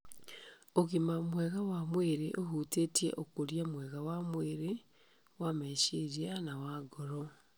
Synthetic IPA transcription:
oɣimamwɛɣawamweɾeʔoɦutetiḛʔokoɾjamwɛɣawamweɾe | wamɛʃeɾianawaɡoɾɔ

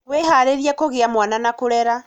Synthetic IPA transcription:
weɦaɾeɾjakoɣeamwananakuɾɛɾa

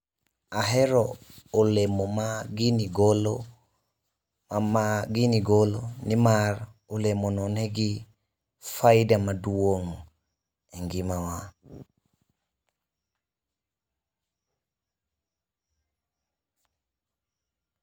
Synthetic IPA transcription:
aɦeɾoːlemomaɡiniɡol | amaɡiniɡolonimaɾ | olemononeɡi | fajdamaduwoŋo | eŋɡimawa

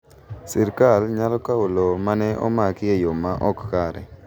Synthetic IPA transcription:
siɾkalɲalɔkaulomanɛʔo̰makɪejomaʔɔkːaɾɛ̰

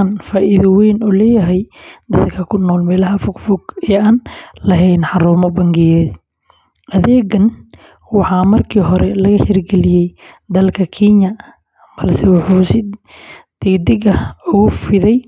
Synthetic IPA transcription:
nfaːʔɪðɐwɛːnulɛːjɐɦɛjd̪ɐðkʰɐkʰʊnːɔːlmɛːlɐɦɐfʊɡfʊɡɛːaːnlɐɦɛjnħɑɾuːmɔbɐŋɡɪjɛːd | ʔɐðɛːɡɐn | wɑħɑːmɐrkʰiːɦɔɾɛlɐɣɐhɪrɡɛlɪjɛj | d̪ɐlkʰɐkʰinɐ | qɐlsɛwɑħuːsɪ | d̪̥ɪɡd̪ɪɡɐʊɣʊfɪðɛj

